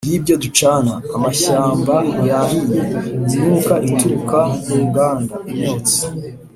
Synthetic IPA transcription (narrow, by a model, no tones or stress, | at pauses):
dibjodut͡ʃaːnaːmaʃaːmbajahijeinuːkaʔituɾukamuɾuɡaːndaimeːsi̥